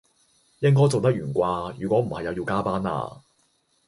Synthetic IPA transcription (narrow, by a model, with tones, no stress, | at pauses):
jɪ˥ŋkɔː˥jt͡so˨wt̪ɐ˥k̚jyː˨˩nkʷaː˧jy̰ː˨˩kʷɔː˨˥m̩˨˩hɐ˨jɐ˨˧wjiː˧wkaː˥paː˥na̰ː˧